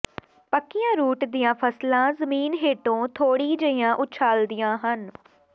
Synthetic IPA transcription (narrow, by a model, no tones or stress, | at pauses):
pəkːɪjãːɾuːʈd̪ɪjãːpʰəslãːzəmiːnɦeːʈõːt̪ʰoːɽiːd͡ʒəɪjãːʔʊt͡ʃʰaːld̪ɪjãːɦən